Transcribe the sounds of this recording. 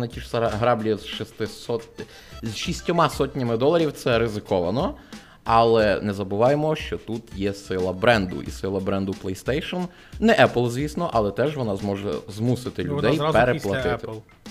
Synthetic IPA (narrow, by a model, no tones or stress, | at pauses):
nɐtʲiʃsɦɾɑblʲizʃist̪ɪsɔ | zʃisʲtʲɔmɑsɔtʲnʲɐmɪd̪ɔlˠɐɾʲiwt̪sɛɾɪzɪkɔʋɐnɔ | ɐlˠɛnɛzɐbʊʋɑjemɔʃt͡ʃɔt̪ut̪jɛsɪlˠɐbɾɛnd̪ʊ̰ʔḭsɪlˠɐbɾɛnd̪ʊplˠɛjst̪ɛjʃɔn | nɛʔɛplˠzʲʋʲisnɔʔɐlˠɛt̪ɛʒʋɔnɑzmɔʒɛ̰zmusɪt̪ɪlʲʊd̪ɛjpeɾeplˠɐt̪ɪt̪ɪ